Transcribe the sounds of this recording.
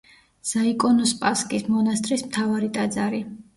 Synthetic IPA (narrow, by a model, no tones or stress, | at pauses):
z̥aikʼɔnɔspʼaskʼismɔnast̪ʼɾismt̪ʰavaɾit̪ʼad̪zaɾi